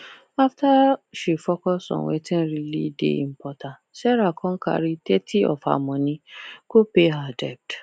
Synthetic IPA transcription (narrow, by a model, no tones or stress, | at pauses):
aftaʃifɔkɔsɔ̰̃wɛ̰tĩn̩ɾilḭdḛḭm̩pɔtã | sɛɾakʰɔ̃ka̰ɾitɛtʰiɔ̰fa̰mɔ̃nĩkopeɦadɛp̚t